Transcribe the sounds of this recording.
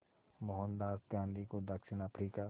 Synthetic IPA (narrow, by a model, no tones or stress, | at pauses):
moɦə̃nd̪aːst̪jãːnd̪ikod̪ɐkʃɪnapʰɾiːka